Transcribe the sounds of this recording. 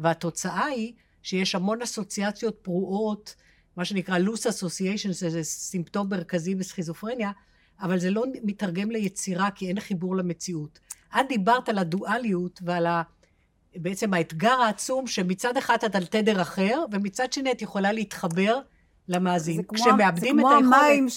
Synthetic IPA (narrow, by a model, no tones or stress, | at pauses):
veato̞t͡saʔai | ʃejeʃhamo̞naso̞t͡siat͡sjo̞t̚pʁuʔo̞t | maʃe̞nikʁalusaso̞siejʃonʃezesimpto̞mːeʁkazibesχizofʁenja | avalze̞lo̞mitaʁɡe̞mlejet͡siʁakie̞nχibuʁleme̞t͡siutʔatdibaʁtaladuʔalijutveala | beet͡se̞maetɡaʁaːt͡sumʃemit͡sad̪eχad̪atalt̪e̞deʁaχe̞ʁve̞mit͡sadʃe̞niatjeχo̞laleit̪χabe̞ʁ | lamaːzinkʃeemeabd̪imeaom